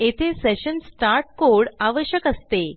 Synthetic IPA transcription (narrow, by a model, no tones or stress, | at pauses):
et̪ʰeseɕənsʈaɾʈ̚koɽaʋəɕjəkəst̪e